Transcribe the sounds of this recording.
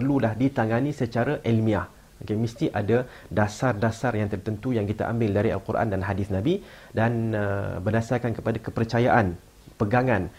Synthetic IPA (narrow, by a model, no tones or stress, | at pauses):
pərlulahdit̪aŋãnĩsət͡ʃaɾaʔɛlmĩah | okemist̪iʔada | dasardasarjaŋt̪ərt̪ənt̪ujaŋkit̪a̰ʔa̰mbɪldaɾia̰lkurʔa̰ndanɦadɪsnãbidanəbədasarkankəpadakəpərt͡ʃajaʔan | pəɡaŋan